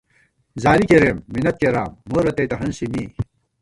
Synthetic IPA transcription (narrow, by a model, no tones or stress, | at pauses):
zaːlikeɾeːmːinɐt̪̚keɾaːmːoːɾɐt̪ɐjt̪ɐɦɐnsimiː